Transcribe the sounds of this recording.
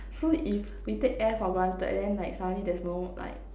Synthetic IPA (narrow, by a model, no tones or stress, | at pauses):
soif | witek̚ɛfɔbɹãntə̰dɛ̃nlaɪk̚sanidɛsnola̰ɪk̚